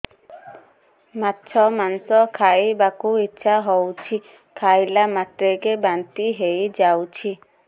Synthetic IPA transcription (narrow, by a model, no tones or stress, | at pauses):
matːʃʰɔmanɔsɔkʰaibakuitːʃʰaɦɔwt͡ʃʰi | kʰajlamat̪ɾeɡebant̪iɦejd͡ʒawt͡ʃʰi